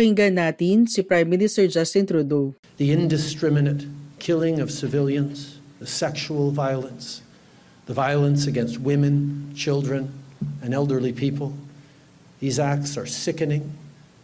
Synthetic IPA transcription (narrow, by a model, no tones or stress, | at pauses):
hɪŋɡanːaːt̪ɪnsɪpɹajmːɪnɪst̪ɛɹd͡ʒast̪ɪ̃nt̪ɾud̪o | ðiɪ̃ndɨskɹ̥ɪmɨnɨt̚kʰɪlˠɪ̃ŋʌv̥sɨvɪlˠjɨ̃nz̥ðɨsɛkʃuəl̩ˠvaɪlˠə̃ns | ðəvaɪəlˠə̃nsɨɡɛ̃nst̚wɪ̃mɨ̃nt͡ʃʰɪlˠdɹɨ̃nɨ̃nɛlˠdə˞lipʰipʰəl̩ˠ | ðizæk̚tsə˞sɪkɨnɪ̃ŋ